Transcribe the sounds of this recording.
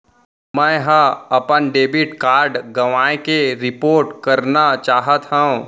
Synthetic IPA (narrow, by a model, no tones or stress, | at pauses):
mɛ̃ɦə̃ɐpənɖeːbɪʈkaːɾɖɡɐʋaːẽkeɾɪpoːɾʈkɐɾnat͡ʃaːɦət̪ɦɛ̃ũ